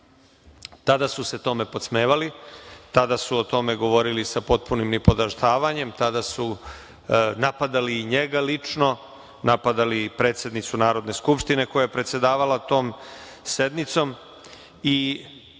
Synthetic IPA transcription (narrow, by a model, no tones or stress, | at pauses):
t̪ad̪asuse̞t̪o̞me̞po̞t̪smeːʋalit̪ad̪asuot̪o̞me̞ɡo̞ʋo̞ɾilisapo̞t̪̚punimnipo̞d̪aʃt̪ʰaːʋaɲe̞mt̪ad̪asu | napad̪aliɲeɡalit͡ʂno̞ | napad̪alipɾe̞ːt̪sje̞d̪nit̪sunaːɾo̞d̪ne̞skupʂt̪ine̞ko̞jajepɾet̪se̞d̪aːʋalat̪o̞ːmse̞d̪nit̪so̞m | i